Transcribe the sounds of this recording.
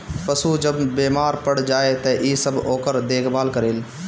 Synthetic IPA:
pəsuːd͡ʒəbːeːmaːɾpəɽ̤d͡ʒaːet̪ɛʔiːsəbʱoːkəɾd̪eːkʰbaːlkəɾeːl

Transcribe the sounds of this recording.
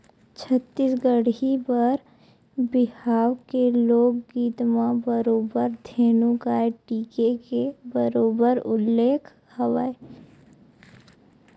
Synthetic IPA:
t͡ʃʰət̪ːiːsɡəɽibəɾ | bɪhaːwkeloːkɡiːt̪mãbəɾoːbəɾd̪ʱeːnũkaeʈiːkekebəɾoːbəɾʊ̰lːeːkʰ | həʋa̰ːe

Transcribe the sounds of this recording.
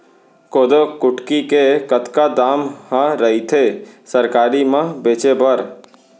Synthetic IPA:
koːd̪okʊʈkikekət̪kad̪aːmhãɾəɦit̪ʰesəɾkaːɾimãbeːt͡ʃebəɾ

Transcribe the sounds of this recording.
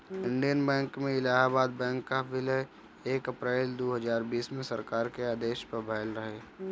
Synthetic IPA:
ɪ̃ɳɖijənbɛ̃ːŋkmẽɪlaːɦabaːd̪̚bɛ̃ːŋkːaʋɪləj | eːkɐpɾɛːld̪oːɦəzaːɾbiːsmẽsɐɾkaːɾkeaːd̪eːʃpɐɾbʱɛːlɾəɦeː

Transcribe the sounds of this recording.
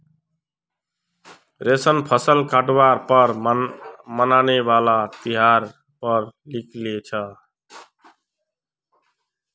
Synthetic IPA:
ɾesənpʰəsəlkaʈwaɾpəɾ | mənanebalat̪iɦaɾ | pəɾlikʰlet͡ʃʰə

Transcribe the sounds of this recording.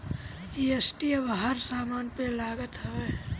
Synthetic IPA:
iesʈiəbɦəɾsaːmaːnpelaːɡət̪ɦɛe

